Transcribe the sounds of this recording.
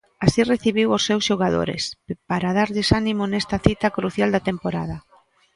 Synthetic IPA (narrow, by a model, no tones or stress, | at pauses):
asireθiβiwosːewsʃoɣaðo̰ɾḛspaɾaðaɾʎɪsanimonɛst̪ɐθit̪ɐkɾuθjald̪ɐt̪empoɾaðɐ